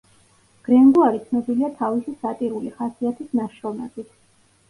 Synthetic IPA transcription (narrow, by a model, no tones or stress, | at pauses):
ɡ̥ɾɛŋɡuaɾit̪sʰnɔbiliat̪ʰavisisat̪ʼiɾuliχasiat̪ʰisnaʃɾɔmɛbit̪ʰ